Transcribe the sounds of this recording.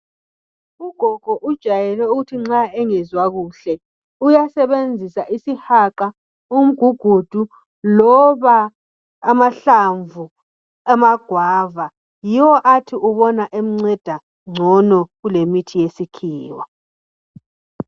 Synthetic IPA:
uɡ̥ʱɔɡ̥ʱɔʔud̥ʒ̥ʱajɛlɛuɣutʰiŋ͡ǁaɛŋɛzwaɣuɬɛ | ujasɛβend͡zʱisaʔisihaǃa | um̩ɡ̥ʱuɡ̥ʱud̥ʱu | lɔβaː | maɬaɱvu | amaɡ̥ʱwaːva | jiwɔʔatʰiʔuβɔnaʔem̩ŋ͡ǀɛd̥ʱa | ŋ͡ǀʱɔnɔɣulemitʰijesikʰiːwa

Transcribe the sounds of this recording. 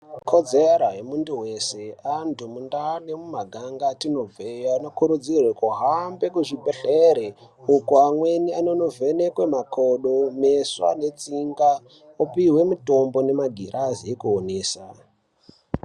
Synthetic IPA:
kʰo̞d͡zeɾaɦemunduwe̞se̞antumundanemumaɡʱaŋɡatino̞vejoanokuɾud͡zirwekuɦambe̞kuʐibʱeɬeɾeukuamwe̞niano̞no̞ve̞nekwemakoɗome̞swa̰ne̞t͡siŋɡa | opiɦwe̞muto̞mbo̞ne̞maɡʱiɾʔaziekuoneːsa̰

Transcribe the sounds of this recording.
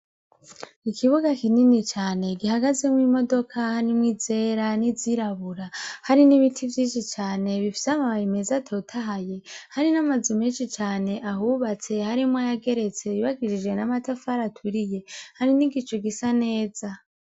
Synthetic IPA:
ikʰiβuɡakininit͡ʃaːne̞ɡiɦaɡaze̞mwiːmo̞do̞kʰahaɾimŋiːze̞ːɾaniziɾaβuɾahaɾiniβitʰivjiːnʃit͡ʃaːne̞βifi̥seamaβajimezatʰo̞ːtʰaɦaje̞haɾinamazumiːnʃit͡ʃaːne̞ʔaɦuβat͡se̞haɾimwajaɡe̞ɾe̞t͡se̞iβaɡiɾid͡ʒɡwe̞namatafaɾatʰuɾije̞haɾiniɡit͡ʃoɡisane̞ːza

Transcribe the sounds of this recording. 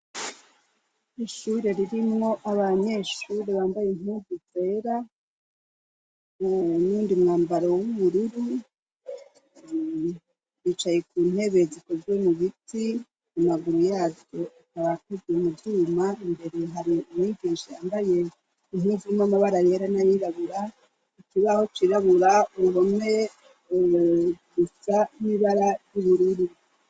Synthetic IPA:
iʃuɾe̞ɾiɾimŋo̞ʔaβaɲe̞ʃuːɾe̞βaːmbajinhuːvuze̞ːɾa | nuːndimŋaːmbaɾowuβuɾuɾu | ɾit͡ʃajekuːn̥he̞βe̞ziko̞zɡwe̞muβitʰi | mumaɡuɾujaːvjo̞ikaβakuzɡemuvjumaimbe̞ɾeɦaɾiumwiːɡiːnʃijaːmbaje̞ | inuvumamaβaɾaɾe̞ɾanajiɾaβuɾa | ikiβaho̞t͡ʃiɾaβuɾauɦome | ɡusaniβaɾajuβuɾuɾu

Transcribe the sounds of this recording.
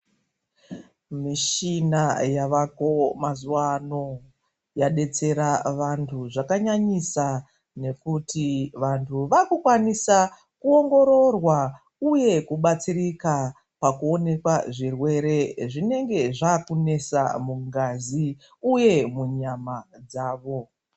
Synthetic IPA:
miʃinajaʋako̞mazuwano̞ | jaɗe̞t͡se̞ɾaʋantʰuʐakaɲaɲisa | ne̞kutiʋantʰuʋakukwanisa | kuo̞ŋɡo̞ɾo̞rwa | uje̞kuɓat͡sirika | pakuo̞ne̞kwaʐirwe̞ɾe̞ʐine̞ŋɡe̞ʐakune̞sa̰muŋɡazi | uje̞muɲamad͡zaːʋo̞

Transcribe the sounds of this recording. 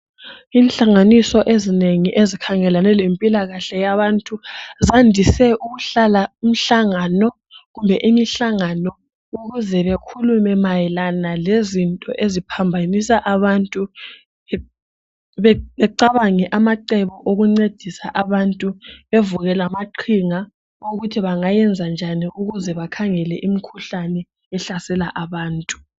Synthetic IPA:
iːnɬaŋanisɔʔezineŋiʔezikʰaŋɛlanɛlempʼilaɣaɬɛjaβantʼuzandʱisɛʔuɣuɬalaum̩ɬaŋanɔ | ɣumbʱɛʔimiɬaŋanɔ | uɣuzɛβekʰulumɛmajɛlanalezintʼɔ̰ʔezipʰambʱanisaʔaβantʼu | βɛβɛǀaβaŋɛʔamaǃɛβɔʔoɣuŋ͡ǀed̥ʱisa̰ʔaβantʼuβevuɣɛlamaǃʰiŋa | oɣutʰiβaŋajɛnd͡zʱand͡ʒʱaniʔuɣuzɛβakʰaŋɛlɛʔimikʰuɬanɛ | ɛɬasɛlaʔaβaːntʼu̥

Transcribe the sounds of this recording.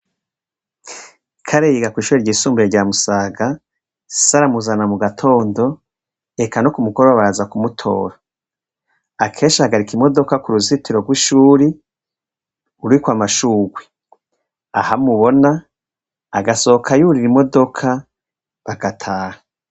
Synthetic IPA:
kʰaɾejiɡakwiːʃuɾeɾɟiːsuːmbueɾɟaːmusaːɡa | saɾamuzanamuɡatʰo̞ːndo̞ | ekano̞kumuɡoɾoβaazakumutʰo̞̰ːɾa | akʰe̞ːnʃahaɡaɾikimo̞do̞kakuɾuzitiɾo̞ɡwiʃuːɾi | uɾuikwamaʃuːɡwe | ahamuβo̞naː | ɡasokʰajuuɾiɾimo̞do̞kʰa | βaɡatʰaːha

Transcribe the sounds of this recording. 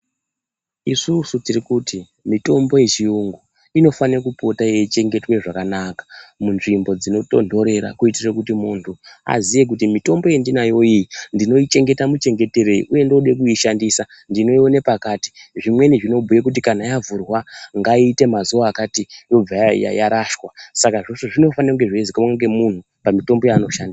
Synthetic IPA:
isusutirikuti | mito̞mbo̞jet͡ʃiuŋɡu | ino̞faniakupo̞tajeit͡ʃe̞ŋɡe̞twe̞ʐakanakḁmunʐimbo̞d͡zino̞to̞̰ndo̞ɾe̞ɾa̰kuitirekutimuntʰua̰zije̞k̬utimito̞mbo̞jendinajo̞iindino̞it͡ʃe̞ŋɡe̞tamut͡ʃe̞ŋɡe̞te̞ɾe̞ḭʔuje̞ndoɗek̬uiʃandisa | ndino̞ione̞pakaːti̥ʐimwe̞niʐino̞bʱujekut̬ikanajavurwaŋɡaiːte̞mazuʋaːkatijo̞b͡vaja̰jaɾaʃwasakaʐo̞ʂoʐino̞fanaeuŋɡe̞ʐeezikamaŋɡe̞mun̤u | pamito̞mbo̞jaːno̞ʃandisa

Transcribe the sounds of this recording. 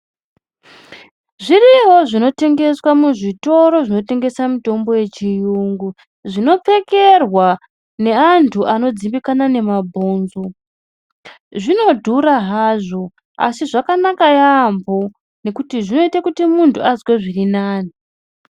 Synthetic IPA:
ʐiriɦo̞ʐino̞te̞ŋɡe̞swamuʐito̞ɾo̞ʐino̞te̞ŋɡe̞samuto̞mbo̞je̞t͡ʃijuŋɡu | ʐino̞p͡fe̞ke̞rwa | ne̞antʰuʔano̞d͡zimbikanane̞mabʱo̞ːnzo̞ | ʐino̞dʱuɾaɦaːʐo̞ | a̰siʐakanakajambo̞ | ne̞kutiʐino̞itakutimuntʰuazweʐirinaːni

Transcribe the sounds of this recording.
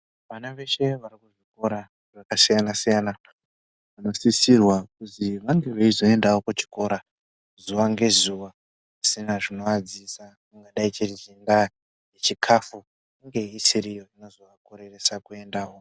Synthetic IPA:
ʋanaʋe̞ʃe̞ʋarikuʐiko̞ɾa | ʐakasijanasijana | ʋano̞sisirwakuziʋaŋɡe̞ʋeizo̞e̞ndawokut͡ʃi̥ko̞ɾa | zuʋaŋɡe̞zuʋa | asinaʐino̞ad͡zisa | muŋɡaɗait͡ʃezinda | jet͡ʃikʰafu | iŋɡe̞isiɾijo̞ino̞zoʋako̞ɾe̞resakue̞ndaːwo̞

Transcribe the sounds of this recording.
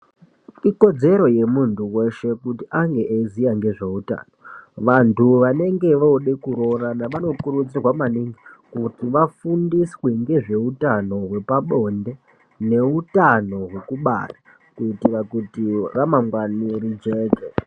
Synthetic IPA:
iko̞d͡ze̞ɾo̞je̞muntʰuwe̞ʃe̞kutiʔaŋɡe̞ʔezijaŋɡe̞ʐe̞uta̰ːnoʋantʰuʋane̞ŋɡe̞ʋooɗekuɾo̞ranaʋano̞kuɾud͡zirwamaniŋɡikutiʋafundisweŋɡe̞ʐe̞utano̞ɦwe̞paɓo̞nde̞ | ne̞utano̞ɦwe̞kuɓa̰ra | kutiʋakutiramaŋɡwaniɾid͡ʒe̞ːke

